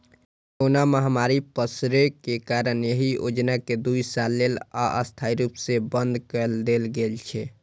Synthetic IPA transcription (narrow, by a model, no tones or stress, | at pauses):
konaməɦamaɾipəsɾekekaɾənjəɦio̰d͡ʒnaked̪uisalːela̰ʔə̰st̪ʰaiɾupsebənd̪kəld̪elɡelt͡ʃʰɛ